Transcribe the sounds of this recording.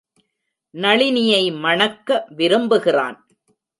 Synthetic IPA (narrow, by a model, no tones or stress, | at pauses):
nɐɭɪnɪjɐɪmɐɳɐkːɐʋɪɾɯmbɯɣɪra̰ːn